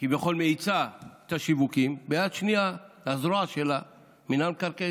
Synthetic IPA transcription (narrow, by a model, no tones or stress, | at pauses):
kibeχo̞lmeit͡saet̪aʃivukimbejat̪ʃnialazɾoaʃela | minamkaʁke